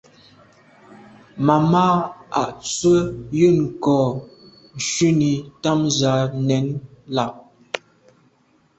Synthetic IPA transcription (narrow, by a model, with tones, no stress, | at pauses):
ma˨maː˦a̰˨ʔt͡swə˦jɨ˦˨ŋ˨kɔː˨ | n̩˨ʃɥi˦ni˨ta˦mza˨˦nɛ˨˦nla˨ʔ̚